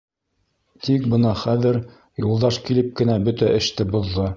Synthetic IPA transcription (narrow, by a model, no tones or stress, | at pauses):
t̪ik̚bɤnɑχæðɘɾ | julˠd̪ɑʃkilɘp̚kɘ̆næbɵt̪æʔɘ̆ʃt̪ɘbŏðːɤ